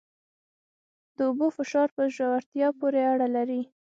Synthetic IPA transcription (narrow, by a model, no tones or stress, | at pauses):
d̪̥əʊbofɪʃɑɾpəʒawaɾt̪jɑpoɾeaɽalaɾi